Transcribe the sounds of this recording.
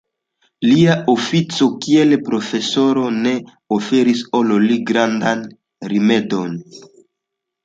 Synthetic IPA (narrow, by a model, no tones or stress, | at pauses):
liaʔofit͡so̞kie̞lpɾo̞fe̞so̞ɾo̞ne̞ | ofe̞ɾiso̞loliɡɾandan | ɾime̞do̞n